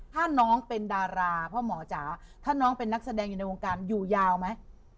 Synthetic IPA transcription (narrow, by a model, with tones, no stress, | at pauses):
t̪ʰaː˥˩nɔː˦˥ŋpe˧ndaː˧ɾaː˧pʰɔ˦˥mɔː˩˦t͡ɕaː˩˦t̪ʰaː˥˩nɔː˦˥ŋpe˧nːa˦˥k̚sa˧dɛː˧ŋjuː˨˩na˧jwo˧ŋkaː˧njuː˨˩jaː˧wma˦˥j